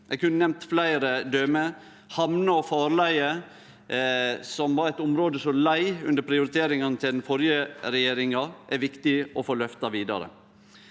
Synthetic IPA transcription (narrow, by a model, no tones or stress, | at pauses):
ʔɛɡkʉnːənɛmt̪flæɪɾəd̪øːmə | hɑmnəɔfɑːɾlæɪə | sɔmʋɑɾɛt̪ʊmɾoːd̪əsɔmlæɪʉnd̪əɾpʰɾɪʊɾɪt̪ʰeːɾɪŋɑnət̪ʰɪld̪ɛnfɔɾjəɾɛjeːɾɪŋɑʔæɾʋɪkt̪ɪɔfoːlœft̪ɑʋiːd̪ɑ̰ɾə̰